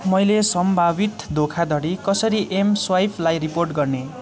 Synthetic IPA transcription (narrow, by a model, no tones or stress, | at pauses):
mʌjlesʌmbʱabit̪d̪ʱokʰad̪ʱʌɽikʌsʌɾiʔemswajpʰlajriporʈɡʌrne